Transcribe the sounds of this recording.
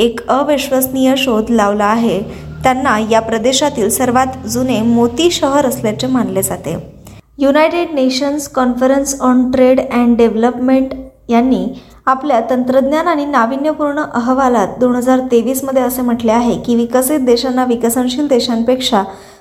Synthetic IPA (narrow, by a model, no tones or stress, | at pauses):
ekəʋiɕʋəsnijəɕod̪ʱlaʋlaːɦe | t̪janːajapɾəd̪eɕat̪iːlsəɾʋat̪d͡zunemot̪iːɕəɦəɾəsljat͡semanled͡zat̪ḛ | junajʈeɖneɕənskɔnfəɾensɔnʈɾeɽɛ̃ɳɖɖeʋləpmeɳʈ | janːiː | apljat̪ənt̪ɾəd̪njanaɽ̃inaʋinjəpuɾɳəʔəɦʋalat̪̚d̪oɳɦəd͡zaɾt̪eʋiːsməd̪ʱjeəsem̤əʈleaɦekĩʋikəsit̪̚d̪eɕanːaʋikəsəɳɕiːld̪eɕanpekʂa